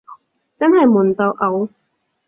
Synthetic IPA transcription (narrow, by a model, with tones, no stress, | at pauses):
t͡sɐ˥nhɐ˨jmuː˨˩nt̪o˨˧wʔɐ˨˧w